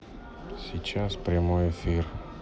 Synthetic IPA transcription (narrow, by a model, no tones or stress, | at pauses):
sit͡ʃaspɾemoefiɾ